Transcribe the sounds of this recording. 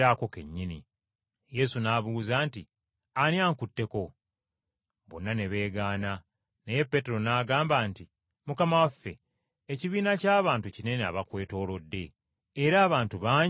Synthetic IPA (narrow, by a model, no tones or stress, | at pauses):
ako̞ke̞̰ɲːini | je̞sunaːβuːzaːnti | anjaːŋkutːe̞ko̞ | βo̰nːane̞βe̞ːɡaːna | neje̞pːe̞te̞ɾo̞naːɡaːmbaːnti | mukamawafːe̞̰ | eciβiːnacaːβaːntucine̞nea̰βakwe̞ːto̞ːlo̞dːe̞ː | ɾaːβaːntuβaːɲ